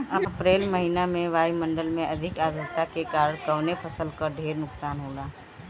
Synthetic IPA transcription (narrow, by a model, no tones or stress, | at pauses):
ɐpɾeːlməɦinamẽʋaːimɐ̃ɳɖəlmẽʔɐd̪ʱɪkaːd̪əɾt̪ːakekaːɾəɽ̃kɐʋnepʰɐsəlkəɾɖʱeːɾnʊksaːnɦoːlaː